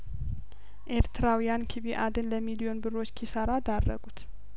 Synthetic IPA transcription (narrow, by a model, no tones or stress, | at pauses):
ʔe̞ɾt̪ʰɨɾawijankʰiβiʔad̪ɨnləmilijo̞nbɨro̞t͡ʃːkʰisaɾad̪arːə̰ɡut̪